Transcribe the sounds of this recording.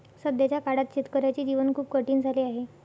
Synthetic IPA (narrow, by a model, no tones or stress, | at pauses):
səd̪ʱjat͡ɕjakaɽat̪̚t͡ɕit̪kəɾajt͡ɕiːd͡ʑiʋənkʰuːp̚kəʈiːnd͡zʱaliːaɦe